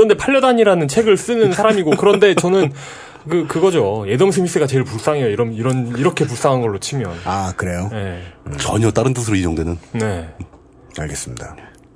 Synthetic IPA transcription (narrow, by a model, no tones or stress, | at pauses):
kɯɾʌndepʰaʎːʌdaɲiɾanɯnt͡ɕʰe̞ɡɯɭs͈ɯnɯnsʰaɾamiɡokɯɾʌnde̞t͡ɕʌnɯn | kɯkɯɡʌd͡ʑoje̞dʌms̬ʰemis͈ʰeɡat͡ɕe̞iɭpus͈aŋɦejoiɾʌmiɾʌniɾʌkʰe̞pus͈aŋɦanɡʌɭːot͡ɕʰimjʌnakɯɾejoje̞t͡ɕʌɲʌt͈aɾɯnt͈ɯsʰɯɾoid͡ʑʌŋdwenɯnne̞ | aɭɡes͈ɯmɲida